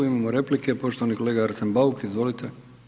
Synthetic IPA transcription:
oimamoɾe̞plike̞po̞ʃt̪oanikoleːɡaaɾsembaukizʋo̞lit̪ʰe

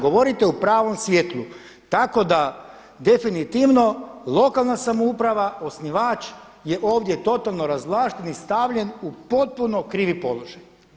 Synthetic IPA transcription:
ɡo̞ʋo̞ɾit̪e̞upɾaːʋo̞msʋʲjet̪lˠu | t̪ako̞d̪a | d̪e̞finit̪iʋno̞lˠo̞kalˠnasamoupɾaʋao̞sniʋaːt͡ʃ | je̞ʔoːʋd̪je̞t̪o̞t̪alˠno̞ɾazʋlˠaːʃt̪enist̪aʋʎe̞nupo̞t̪̚puno̞kɾiːʋipo̞̰lˠo̞ʒaj

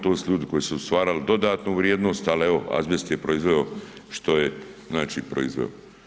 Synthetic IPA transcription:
t̪oːsʎʲuːd̪ɪko̞jesuust̪ʋaːɾald̪o̞d̪aːt̪nuːʋɾjeːd̪nost̪aleʋoa̰zbjest̪jepɾoizʋeoʃt̪o̞je | znaːt͡ʃiːpɾo̰izʋḛo̰

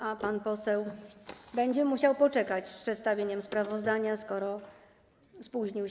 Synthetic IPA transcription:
ʔapanpɔsɛwbɛɲd͡ʑɛmuɕawpɔt͡ʂɛkat͡ɕspʂɛt̪st̪avʲjeɲɛmspɾavɔzd̪aɲaskɔɾɔ | spuʑɲiw

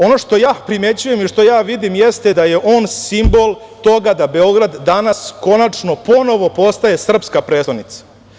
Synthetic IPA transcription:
o̞no̞ʃt̪o̞jaːpɾime̞t͡ɕuje̞miʃt̪o̞jaːʋid̪imjest̪ed̪aje̞ʔo̞ːnsimbo̞lˠ | t̪o̞ɡad̪abe̞o̞ɡɾad̪ːanasko̞nat͡ʂno̞po̞no̞ʋo̞po̞st̪aje̞sr̩pskapɾesod̪nit̪sḁ

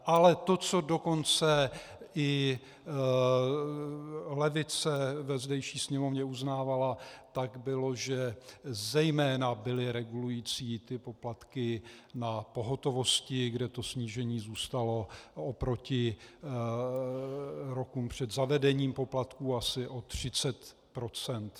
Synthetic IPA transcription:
ʔalɛt̪o̞t͡so̞do̞ko̞nt͡sɛ | ʔɪ | lɛvɪt͡sɛvɛzdɛjʃiːsɲɛmovɲɛuznaːvalat̪aɡbɪlo̞ʒɛzɛjmɛːnabɪlɪɾɛɡulujiːt͡siːt̪ɪpo̞plat̪kɪnapo̞ɦo̞t̪o̞vo̞scɪɡdɛt̪o̞sɲiːʒɛɲiːzuːst̪alo̞opɾo̞cɪ | ɾo̞kuːmpr̝̥ɛd̪zavɛdɛɲiːmpo̞plat̪kuːasɪʔo̞t̪r̝̥ɪt͡sɛt̪ | pɾo̞t͡sɛnt̪

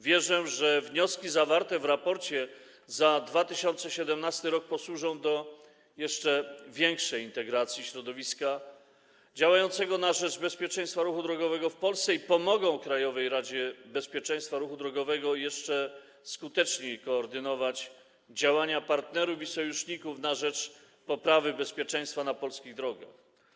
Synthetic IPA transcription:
vʲjɛʐɛʐɛvɲɔskʲizavaɾt̪ɛvɾapɔɾt͡ɕɛ | zad̪vat̪ɘɕɔnt̪sɛɕɛd̪ɛmnast̪ɘɾɔk̚pɔswuʐɔ̃w̃d̪ɔ | jɛʂt͡ʂɛvʲjɛŋkʂɛjint̪ɛɡɾat̪sʲjiɕɾɔd̪ɔvʲiska | d͡ʑawajɔnt̪sɛɡɔnaʐɛd͡ʐbɛspʲjɛt͡ʂɛ̃j̃st̪faɾuxud̪ɾɔɡɔvɛɡɔfpɔlst̪ɛipɔmɔɡɔ̃w̃kɾajɔvɛjɾad͡ʑɛbɛspʲjɛt͡ʂɛj̃st̪faɾuxud̪ɾɔɡɔvɛɡɔjɛʂt͡ʂɛ | skut̪ɛt͡ʂɲejkɔːɾd̪ɘnɔvat͡ɕ | d͡ʑawaɲapaɾt̪nɛɾuvisɔjuʂɲikufnaʐɛt͡ʂ | pɔpɾavɘbɛspʲjɛt͡ʂɛ̃j̃st̪fanapɔlskʲiɣd̪ɾɔɡa̰x

